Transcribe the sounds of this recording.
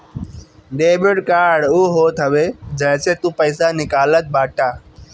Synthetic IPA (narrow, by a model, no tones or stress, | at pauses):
ɖeːbɪɽkaːɾɖʊːɦoːt̪ʰəʋeːd͡ʒə̃ɦɪ̃seːt̪ũːpəɪsanɪkaːlət̪̚baːʈaː